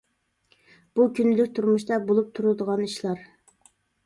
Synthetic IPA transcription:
b̥ukʲʰynːylyk̚ʲt̪ʰuɾmuʃt̪ɑbolˠup̚t̪ʰuɾulˠd̪əʁɑniʃlˠɑɾ

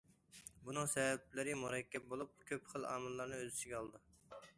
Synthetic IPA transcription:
bunɨŋsɛvɛp̚lɪɾɪmuɾɛkʲːɛp̚bolˠup̚kʲʰøpχəlˠɑ̰ːmɨlˠːɑɾnɨøzɪt͡ʃ̪ʰɪɡʲɛɑlˠd̪ɨ

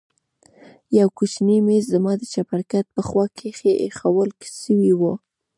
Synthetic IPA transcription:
jawkut͡ʃnimezzamɑd̪ət͡ʃapaɾkat̪̚pəxwɑkʰexeʔexawəlke̥səwiwo

